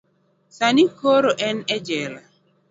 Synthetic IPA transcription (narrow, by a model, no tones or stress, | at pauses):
sanikoɾoʔɛnɛd͡ʒɛla